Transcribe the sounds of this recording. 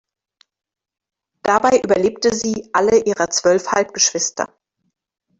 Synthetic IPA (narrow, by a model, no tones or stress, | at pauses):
d̥abaɪʔyːbɐleːp̚təziːʔaləʔiːʁɐt͡sv̥œlfha̰lpɡ̥əʃv̥ɪstɐ̰